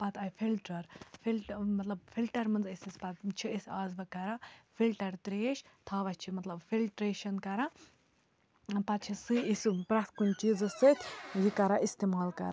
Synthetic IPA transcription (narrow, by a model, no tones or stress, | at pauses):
pɐt̪ɐjfʰilʈɾɐɾfʰilʈmɐt̪lɐbfilʈɐɾmɐnzesʲispɐt̪t͡ʃʰiesaːzbɐkɐɾafʰilʈɐɾt̪ɾeːʃt̪ʰaːʋɐt͡ʃʰimɐt̪lɐbfilʈɾeːʃɐnkɐɾã | pɐt̪̚t͡ʃʰisɨisipɾɐt̪ʰkunt͡ʃizɐsɨt̪ʰʲjikɐɾaʔist̪emaːlkɐ̰ɾa